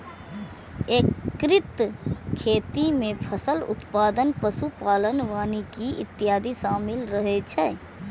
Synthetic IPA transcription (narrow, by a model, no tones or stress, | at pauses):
eːkɾɪt̪kʰeːt̪imẽpʰəsəlʊ̰t̪paːd̪ənpəsupaːlənʋaːnikiɪ̰t̪ːijaːd̪isaːmɪlɾəɦɛt͡ʃʰɛ